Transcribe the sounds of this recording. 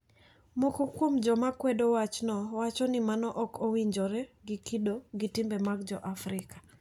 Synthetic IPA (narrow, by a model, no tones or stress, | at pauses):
mokokwomd͡ʒɔmakwɛdowat͡ʃnɔwat͡ʃɔnɪmanɔʔɔkʰowiɲd͡ʒɔɾɛɡikidoɡɪtimbɛmaɡd͡ʒɔʔafɾɪkḁ